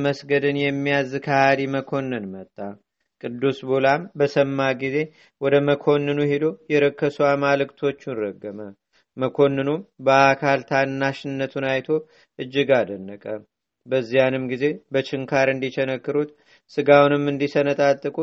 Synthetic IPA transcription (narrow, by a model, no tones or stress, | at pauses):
məsɡəd̪ɨnjɛmːijazkʰəhad̪iməkʰo̞nːɨnmət̪ʼːa | kʼɨd̪ːusbolambəsəmːaɡize̞ | wɔd̪əməkʰo̞nːɨnuhed̪o̞jɛɾəkʰːəsuamalɨkt̪ʰo̞t͡ʃːunɾəɡːəmə | məkʰo̞nːɨnubəakʰalt̪ʰanːaʃɪnːət̪ʰunajt̪ʰo̞ | ʔɨd͡ʒːɪɡad̪ənːəkʼə | bəzːijanɨmɡize̞bət͡ʃɪŋkʰaɾɨnd̪it͡ʃɛnəkːɨɾut̪ | sɨɡawunɨmːɨnd̪isənət̪ʼat̪ʼːɨkʼu